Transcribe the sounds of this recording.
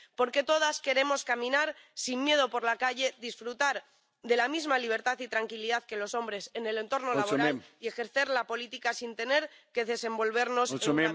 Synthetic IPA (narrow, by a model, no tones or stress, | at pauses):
po̞ɾke̞t̪o̞ð̞aske̞ɾe̞mo̞skamĩnaɾsinmje̞ðo̞po̞ɾlakaʝe̞ðisfɾut̪aɾ | ðe̞lamizmaliβ̞e̞ɾt̪aθit̪ɾaŋkiliðaθke̞lo̞so̞mbɾe̞se̞ne̞le̞nt̪o̞ɾno̞laβoɾaie̞xe̞ɾθe̞ɾlapo̞lit̪ikasint̪e̞ne̞ɾke̞ðe̞se̞mbo̞lβ̞e̞ɾno̞sm